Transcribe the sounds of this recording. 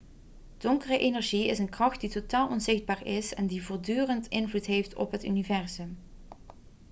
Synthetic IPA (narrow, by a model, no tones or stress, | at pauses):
d̥ɔŋkərəʔejnɛɹʒiɪsənkrɑxt̚ditotaːlˠʔɔnzɪxd̚baːɹɪsɛndivʊːɹdyːrəntɪnvlutɦejftʰɔ̰pɦəty̰nivɛɹzɵm